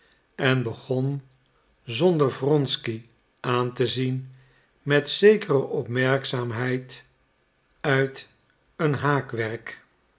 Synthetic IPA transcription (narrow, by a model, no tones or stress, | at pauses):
ɛnbəχɔn | zɔndəɹvrɔnski | ʔaːntəzin | mɛtsejkərəʔɔpmɛɹksaːmɦɛjt | œɥt | ənɦaːkʋɛɹk